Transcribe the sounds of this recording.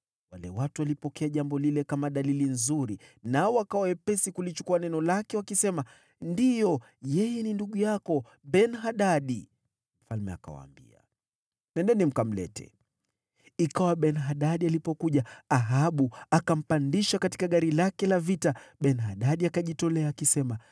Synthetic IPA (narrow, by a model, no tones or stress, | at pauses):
walɛwatuwalipɔkɛaʄambɔlilɛkamaɗalilinzuɾinaɔwakawawɛpɛsikulit͡ʃu̥kuanɛnɔlakɛwakisɛma | ndijɔ | jɛjɛninduɠujakɔ | ɓɛnɦaɗaɗi | m̩falmɛ̰a̰ka̰wa̰ːmbḭa̰ | nɛndɛnim̩kam̩lɛ̰tʰɛ̰ | ikawaɓɛnɦaɗaɗialipɔkuʄaaɦaɓuakam̩pandiʃakati̥kaɠaɾilakɛlavitaɓɛnhaɗaɗiakaʄitɔlɛaːkisɛma